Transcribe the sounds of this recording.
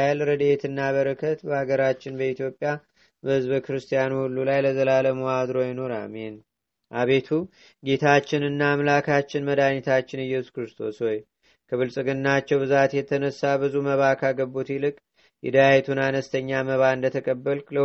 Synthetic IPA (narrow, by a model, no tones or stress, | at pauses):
alɾəd̪et̪ʰɨnːaβəɾəkʰət̪bəhaɡəɾat͡ʃːɪnbəit̪jo̞pʼːja | bəhɨzbəkɨɾɨst̪ʰijanuhulːulajləzəlaləmoad̪ɾo̞jɪno̞ɾa̰men | ʔaβe̞t̪ʰu | ɡe̞t̪ʰat͡ʃːɪnɨnːaːmlakʰat͡ʃːɪnməd̪anɛt̪ʰat͡ʃːɪnɨjːɛsu̥kɾɨst̪ʰo̞sho̞j | kʰəβɨlsʼɨɡɨnːat͡ʃːɛwbɨzat̪jɛt̪ʰənəsːabɨzuməβakʰaɡəbːut̪ilɨkʼ | jɛd̪əjajt̪ʰunanəst̪ʰəɲːaməβaɨnd̪ət̪ʰəkʼəbːəllə